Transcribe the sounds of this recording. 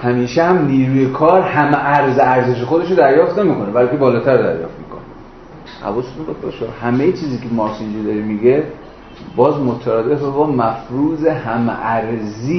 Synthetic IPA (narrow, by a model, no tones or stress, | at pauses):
hæmiːʃehæmniːɾuːjekʰɒːɾhæmʔæɾzeæɾze̞ʃ̬exod̪e̞ʃod̪æɾjɒːft̪ne̞miːkʰo̞nebælkebɒːlɒːt̪ʰæɾd̪æ̰ɾjɒ̰ːft̪̚miːkʰoni | hæ̰vɒːset̪ʰumbɒd̪beʃoɾhæmejet͡ʃʰiːziːkʰemɒsind͡ʒid̪ɒɾimiɡe | bɒːzmot̪ʰæɾad̪efbebɒːmæfɾuːzehæmʔæɾziː